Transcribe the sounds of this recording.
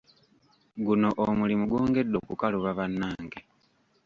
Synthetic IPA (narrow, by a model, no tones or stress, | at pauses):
ɡuno̞ʔomulimuɡwoːŋɡe̞dːo̞kukaluβaβanːaːŋɡe